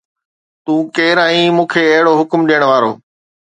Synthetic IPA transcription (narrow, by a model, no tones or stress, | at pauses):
t̪ũːkeːɾãĩːmũːkʰeɐɦɪɽoɦʊkmɗijəɽ̃ʋaːɾo̰ː